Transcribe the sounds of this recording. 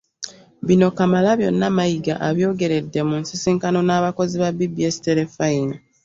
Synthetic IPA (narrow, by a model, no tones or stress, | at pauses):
βino̞kamalaβjo̞nːamajiɡa̰ʔaβjo̞ːɡe̞ɾe̞dːe̞munsisiːŋkano̞naːβako̞ziβaβibiesteɾefaina